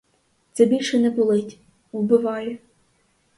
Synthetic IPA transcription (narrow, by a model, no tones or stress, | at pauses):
t̪sɛbʲilʲʃɛnɛkʊlˠɪtʲ | wbɪʋɑjɛ